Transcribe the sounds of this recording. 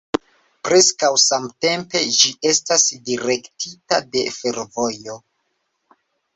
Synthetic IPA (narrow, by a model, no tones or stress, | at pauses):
pɾe̞skawsamte̞mpe̞d͡ʒiʔe̞stasdiɾe̞ktʰitade̞̰fe̞ɾvo̞jo̞